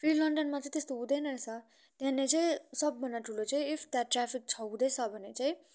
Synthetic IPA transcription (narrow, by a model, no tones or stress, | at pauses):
pʰrilʌɳɖʌnmat͡sãĩt̪est̪oɦũd̪ʌjnʌet͡sʰʌ | t̪jãnːet͡saĩsʌbːʱʌnːʌʈʰulot͡saĩipʰt̪aʈːrapʰik̚t͡sʰʌɦũd̪ʌjt͡sʰʌbʱʌnet͡saĩ